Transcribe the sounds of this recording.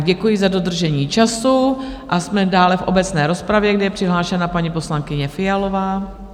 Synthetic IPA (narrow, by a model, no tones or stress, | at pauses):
ɟɛkujɪzado̞d̪r̩ʒɛɲiːt͡ʃasuʔasmɛdaːlɛfʔo̞bɛt͡snɛːɾo̞spɾavjɛɡdɪjɛpr̝̥ɪɦlaːʃɛnapaɲipo̞slaŋkɪɲɛfɪjalo̞vaː